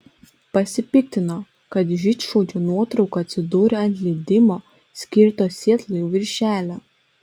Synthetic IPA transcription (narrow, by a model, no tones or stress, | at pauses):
pɐsʲɪpʲɪk̚t̪ʲɪnoː | kɐt̪ʒʲɪt͡ʃʃoːd͡ʒʲunuɔt̪ɾɒʊkoɐt̪ʲsʲɪd̪uːɾʲɛɐnʲt̪ʲlʲɛd̪ʲɪmoː | sʲkʲɪɾt̪oːsʲiɛt̪lˠojuʋʲɪɾʲʃʲæːlʲæ